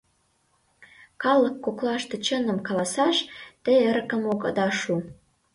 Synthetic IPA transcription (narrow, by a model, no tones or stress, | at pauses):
kɑlːə̆kːoklɑʃt̪ĕt͡ɕə̆nə̆mkɑlɑsɑʃt̪eəɾkə̆mokɑ̰d̪ɑʃu